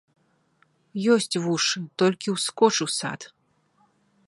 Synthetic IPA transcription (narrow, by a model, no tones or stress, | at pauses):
jɔsʲt͡sʲvuʂɨt̪ɔlʲkʲiwskɔt͡ʂɨwsa̰t̪